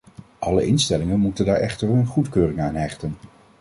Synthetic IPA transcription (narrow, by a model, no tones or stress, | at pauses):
ʔɑlə̰ʔɪnstɛlɪŋənmutəndaːɹʔɛ̰χtəɹənχutkøːrɪŋaːnɦɛχtən